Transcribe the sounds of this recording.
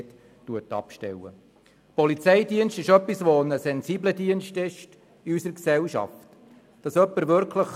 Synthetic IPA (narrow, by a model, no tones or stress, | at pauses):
t | tuətɑ̰pʃtɛ̰wə̰ | pɔlit͡sɛɪdiənstɪʃœpːisʋonəsɛnsiːblədiənstɪʃt | ɪysəɾksɛlʃɑ̰ft | d̥ɑsœpːəɾʋʏɾkləχ